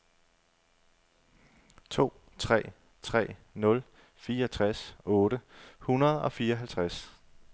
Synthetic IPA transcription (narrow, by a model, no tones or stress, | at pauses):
t͡sʰo̝̰ː | t͡sʰʁɛ̰ː | t͡sʰʁɛ̰ːnɔ̽l | fiːɐɒt͡sʰʁasɔ̽ːɾ̥əhunɐð̞̩ˠɒ̽fiːɐɒɦælt͡sʰʁas